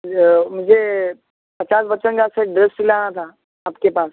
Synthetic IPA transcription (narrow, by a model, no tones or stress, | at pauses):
mʊd͡ʒʱe | pɐt͡ʃaːsʋət͡ʃənkaseɖɾɪsʈɪlaːnat̪ʰa | aːp̚kepaːs